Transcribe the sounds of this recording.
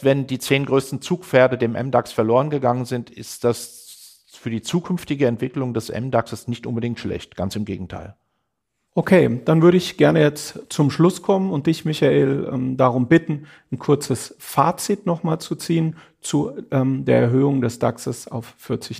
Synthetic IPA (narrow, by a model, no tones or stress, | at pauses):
vɛndiːt͡seːnɡʁøːstn̩t͡suːkfɛːɐdədeːmʔɛ̰mdaksfɛɐloːʁənɡəɡaŋənzɪntʰɪ̰std̥as | fyːɐdiːt͡suːkʰʏnftɪɡəɛntv̥ɪklʊŋdɛsʔɛ̰mdaksəsnɪçtʔʊ̰nbədɪŋ̚tʃlɛ̰çtɡ̥ant͡sɪmɡḛːɡŋ̩tʰa̰ɪl | ʔokʰeːd̥anvʏɐɾəɪçɡ̥ɛɐnəjɛt͡stt͡sʊmʃlʊskʰɔmənʊnt̚d̥ɪçmɪçaʔeːlɛmdaʁ̞ʊmbɪtn̩ | n̩kʰʊɐt͡səsfaːt͡sitnɔχmaːlt͡sut͡siːən | t͡suʔɛmdeːɐʔɛɐɦøːʊŋdɛsd̥aksəsa̰ʊffɪɐt͡sɪç